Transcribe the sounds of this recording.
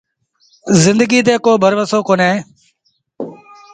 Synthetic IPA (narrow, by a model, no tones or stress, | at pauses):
zɪnd̪əɡiːt̪̬eːkoːbʱəɾʋəsoːkoːnẽː